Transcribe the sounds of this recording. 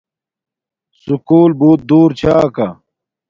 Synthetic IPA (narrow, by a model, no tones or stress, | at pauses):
sukuːlbuːt̪̚d̪uːɾt͡ɕʰaːka